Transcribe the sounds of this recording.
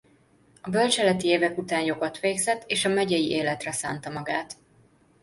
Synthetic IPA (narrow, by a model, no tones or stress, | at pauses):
ɒbølt͡ʃɛlɛt̪ieːvɛkut̪aːnjo̞ɡot̪ʋeːɡzɛt̪ːeːʃɒmɛɟɛjiʔeːlɛt̪rɛsa̰ːnt̪ɒmɒɡaːt̪